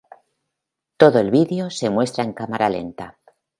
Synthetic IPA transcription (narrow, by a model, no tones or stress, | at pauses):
t̪o̞ðoe̞lβiðeo̞se̞mwe̞st̪ɾae̞ŋkamaɾale̞̰nt̪a